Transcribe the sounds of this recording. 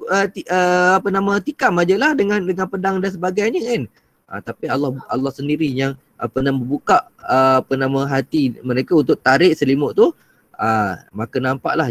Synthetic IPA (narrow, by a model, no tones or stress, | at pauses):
ət̪iəapənãmat̪ikamad͡ʒəlahdəŋandəŋanpədaŋdans̬əbaɡajɲəkan | ʔə̰t̪apialɑha̰lːɑhsəndiɾijaŋ | ʔa̰pənabəbukaʔəapənãmãɦat̪iməɾekaunt̪ʊʔ̚t̪aɾɪʔsəlimʊʔt̪u | əmakanampa̰ʔlah